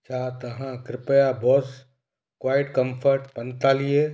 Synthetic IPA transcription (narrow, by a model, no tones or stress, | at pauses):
t͡ʃʰat̪ɐɦãkɾɪpəjabɔːs | kwaːjɪʈkəmpʰəɾʈpənt̪alije